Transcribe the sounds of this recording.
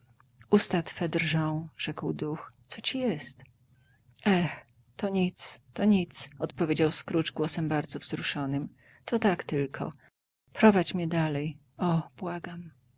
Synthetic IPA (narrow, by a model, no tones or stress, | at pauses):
ust̪at̪fɛd̪rʐɔ̃w̃ʐ̥ɛkwd̪uxt̪sɔt͡ɕijɛst̪ | ʔɛx | t̪ɔɲit̪st̪ɔɲit̪sɔt̪pɔvʲjed͡ʑawskɾud͡ʐɡwɔsɛmbaɾd̪zɔvzɾuʂɔnɘm | t̪ɔt̪akt̪ɘlkʰɔ̰ | pɾɔvat͡ɕmʲɲɛd̪alɛj | ɔb̥waɡam